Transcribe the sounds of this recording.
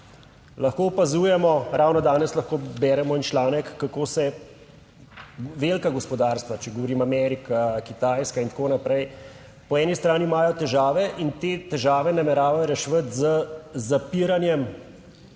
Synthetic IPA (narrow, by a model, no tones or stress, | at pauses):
lɐxkoːɔpazuːjɛmɔɾawnɔd̪aːnɛslɐxkoːbɛːɾɛmɔint͡ʃlaːnɛkːakoːsɛ | ʋeːlkaɡɔspɔd̪aːɾst̪ʋat͡ʃɛɡɔʋɔɾiːmamɛɾikakit̪ajskaint̪akoːnapɾɛj | pɔɛːnist̪ɾaːnimaːjɔt̪ɛʒaːʋɛʔint̪eːt̪ɛʒaːʋɛnamɛɾaːʋajɔɾɛʃʋət̪zəzapiɾanjɛm